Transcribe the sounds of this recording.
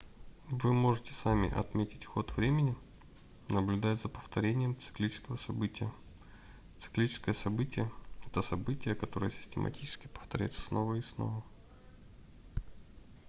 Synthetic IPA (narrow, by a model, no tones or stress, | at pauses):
vɨmo̞ʐɨtʲɪ̥samʲɪ̰ʔɐ̰t̪mʲetʲɪ̥tʲxo̞t̪vɾʲemʲɪnʲɪ | nəblʲʉd̪ajzəpəft̪ɐɾʲenʲɪjəmt̪sɨ̥klʲit͡ɕɪ̥skəvəsɐbɨtʲɪjə | t̪sɨ̥klʲit͡ɕɪ̥skəjəsɐbɨtʲɪjəɛt̪əsɐbɨtʲɪjəkɐt̪o̞ɾəjəsʲɪ̥sʲtʲɪmʔɐ̰tʲit͡ɕɪ̥skʲɪ̥pə̥ft̪ɐɾʲæ̰jɪt̪ə̥sno̞vəisno̞̰və